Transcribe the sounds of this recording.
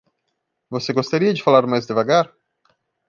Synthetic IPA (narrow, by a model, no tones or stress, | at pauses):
voseɡost̪aɾiɐd͡ʒɪfalaɾmajzd̪ɪvaɡaɾ